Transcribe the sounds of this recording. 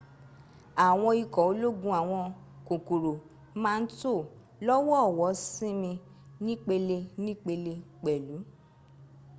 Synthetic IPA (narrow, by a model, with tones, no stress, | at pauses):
a˨w̃ɔ̃˧i˧kɔ˨o˧˦lo˦ɡũ˧˦a˨w̃ɔ̃˧ | ko˨ko˨ɾo˨˦ | mãː˦˧n̩˦to˦˨ | lɔ˦wɔ˦˨wɔ˨˦sĩ˦mĩ˧ | nĩ˦k͡pe˧le˧nĩ˦k͡pe˧le˧k͡pɛ˨lu˨˦